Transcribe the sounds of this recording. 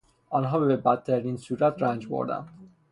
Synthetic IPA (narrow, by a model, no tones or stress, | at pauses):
ɒːnɦɒːbebæt̪̚ːʰæɾinsuːɾæt̪ʰɾænd͡ʒbo̰ɾd̪æ̰n